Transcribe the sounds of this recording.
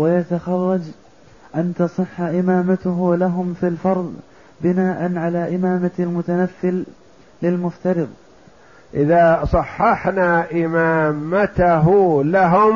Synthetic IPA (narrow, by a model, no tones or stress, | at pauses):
wajat̪axɑrˤːɑd͡ʒ | ʔant̪ɑsˤɨħːʔɪmaːmat̪ʊɦʊlaɦʊmfilfɑɾˤðˤ | bɪnaːʔanʕalaːʔɪmaːmalmʊt̪anafːɪlː | ɪlmʊft̪ɑɾɨðˤ | ʔɪðaːsˤɑħːɑħnaːʔɪmaːmat̪aɦlaɦʊm